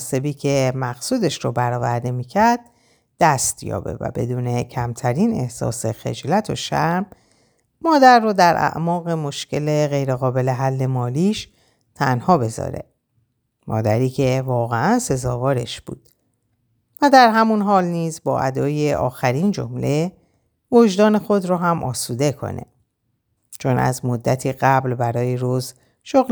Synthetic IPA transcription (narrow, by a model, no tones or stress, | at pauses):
se̞biːcʰe̞mæxsuːd̪e̞ʃɾobæɾɒːvæɾd̪e̞miːcʰæɾd̪̚ | d̪̥æst̪jɒ̰ːbe̞̰væ̰be̞̰d̪uːne̞cʰæmt̪ʰæɾiːne̞hsɒ̰ːse̞xe̞̰d͡ʒlæt̪ʰo̞̰ʃæmː | ɒːd̪æɾːoːd̪æɾʔæ̰ʔmɒːɣe̞mo̞ʃce̞leɣe̞jɾeɣɒːbe̞le̞ɦælːe̞mɒːliːʃ | t̪ʰænhɒːbe̞zɒ̰ːɾe̞̰ | mʔɒ̰ːd̪æɾiːcʰe̞vɒːɣeænse̞zɒːvɒːɾe̞ʃb̥ṵːd̪̥ | væd̪æɾɦæmunɦɒːlniːzbɒːʔæd̪ɒːje̞ʔɒ̰ːxæɾiːnd͡ʒo̞̰mle̞ | voʒd̪ɒːne̞xo̞d̪rɔːɦæmʔɒ̰ːsud̪e̞kʰo̞̰nʔe̞̰ | t͡ʃʰo̞næ̰zmod̪ːæt̪ʰiːɣæblbæɾɒːjeɾoz | ʃoɣl